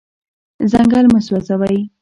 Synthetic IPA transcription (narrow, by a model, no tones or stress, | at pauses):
zaŋɡalməswazawaj